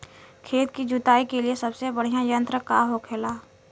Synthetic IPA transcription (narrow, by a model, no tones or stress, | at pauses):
kʰeːt̪kid͡ʒut̪aːikeliesɐbsebɐɽ̤ijãjə̃nt̪ɾəka̰ɦokʰeːlaː